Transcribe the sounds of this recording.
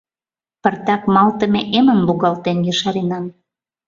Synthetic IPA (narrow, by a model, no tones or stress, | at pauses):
pərt̪ɑkmɑlt̪ə̆meʔemənbuɣɑlt̪enjyʃɑɾenɑm